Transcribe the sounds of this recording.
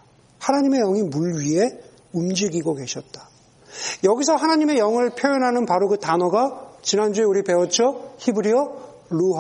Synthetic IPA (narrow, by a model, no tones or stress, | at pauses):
hanaɲime̞jʌŋimuɭɥie̞ | umd͡ʑiɡiɡoke̞ɕʰʌt̚t͈ḁ | jʌɡis̬ʰʌhanaɲime̞jʌŋɯɭpʰjojʌnɦanɯnpaɾoɡɯtanʌɡat͡ɕinand͡ʑue̞uɾipe̞ʌt͡ɕʰʌçibɯɾiʌ | ɭuɦ